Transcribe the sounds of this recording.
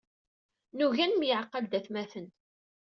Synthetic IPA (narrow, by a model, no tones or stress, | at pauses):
nuʝænmjəʕqːəld̪æθmæθən